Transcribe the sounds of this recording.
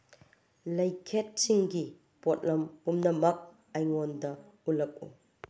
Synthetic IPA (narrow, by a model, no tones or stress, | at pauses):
lɐjkʰet̚siŋɡi | pɔt̚lɐmpumnɐmɐk̚ | ɐjŋɔndɐulɐk̚ṵ